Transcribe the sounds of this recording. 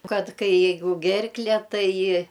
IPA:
ˈkɐt ˈkɐɪ ˈjɛɪɡʊ ˈɡʲɛrklʲɛ ˈtɐɪ

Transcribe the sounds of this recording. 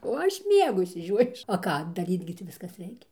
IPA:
oː ˈɐʃ ˈmʲiɛɡʊ ɪʃʲsʲɪˈʒʲoːjʊs oː ˈkɑː dɐˈrʲiːt ɡʲɪ ˈtʲiː ˈʋʲɪskɐs ˈrʲɛɪkʲɛ

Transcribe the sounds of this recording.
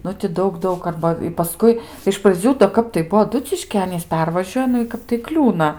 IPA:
ˈnʊ tʲɪ ˈdɐʊk ˈdɐʊk ˈɐrbɐ ɪ pɐˈskʊɪ ɪʃ prɐˈd͡zʲuː doː ˈkɐp tɐɪ ˈbuɔ ɐˈdʊt͡sʲɪʃʲkʲiː ˈɑːnʲiːs ˈpʲɛrʋɐʒʲuɔjɛ ˈnʊ ɪ ˈkɐp tɐɪ ˈklʲuːnɐ

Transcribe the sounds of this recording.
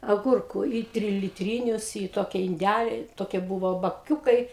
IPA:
ɐˈɡʊrkuː iː tʲrʲɪlʲɪtʲˈrʲiːnʲʊs iː ˈtoːkʲɪ ɪnʲˈdʲælʲɪ ˈtoːkʲiɛ ˈbʊʋoː bɐˈkʲuːkɐɪ

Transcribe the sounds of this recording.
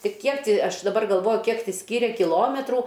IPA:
tʲɪ ˈkʲiɛk tʲɪ ˈɐʃ dɐˈbɐr ɡɐlˠˈʋoːjʊ ˈkʲiɛk tʲɪ ˈsʲkʲiːrʲɛ kʲɪˈlˠoːmʲɛtruː

